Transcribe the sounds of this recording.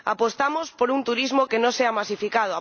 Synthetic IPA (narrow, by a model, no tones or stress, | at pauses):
a̰post̪amospoɾunt̪uɾizmokenõseamasifikað̞oa